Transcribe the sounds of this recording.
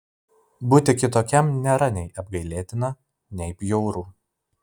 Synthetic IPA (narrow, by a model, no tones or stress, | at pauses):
bʊt̪ʲɪkʲɪt̪oːkʲɛmnʲɛɾɐnʲɛɪʔɐb̚ɡɐɪlʲeːt̪ʲɪnɐ | nʲɛɪpjɔʊɾuː